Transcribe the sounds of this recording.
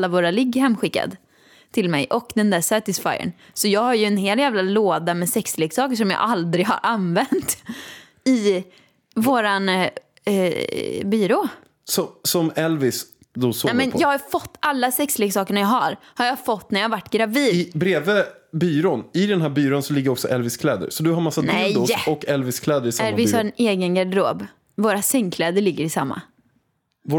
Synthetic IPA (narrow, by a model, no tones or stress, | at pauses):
lːavoːɾalɪɡːhɛmːɧɪkːa̰d̪ | t̪ʰɪlmɛ̰jʔɔkd̪ɛnd̪æsæʈɪsfa̰jə̰ɳ | sɔjɑːɡhaɾjɵɛnheːljæːvlaloːd̪amɛsɛksleːɡsɑːkəʂɔmjɑ̰ːʔald̪ɾɪɡha̰ɾʔanvɛnt̪ | ɪ | voːɾan | byːɾoː | sɔsɔmɛlvɪs | d̪osoːmɛnjɑːɡhaɾfɔt̪ːalːasɛksleːɡsɑːkəɳajɑɦaɾhaɾjɑfɔt̪ːnæɾjɑhavaʈːɡɾaviːd̪ɪbɾeːvəbyːɾonɪd̪ɛnɦæːɾbyːɾoːnsɔlɪɡːəɾɔksɔʔɛlvɪskʰlɛːd̪ə̰ɾsɔd̪ɵɦaɾmasːadnɛj̪ʊɔkːɛlvɪskʰlɛːd̪əɾɪsaɛlvɪshaɾɛneːɡənɡad̪əɾo̰ːb | voːɾasɛŋkʰlɛːd̪əɭɪɡːəɾɪsa̰mːa̰ | vː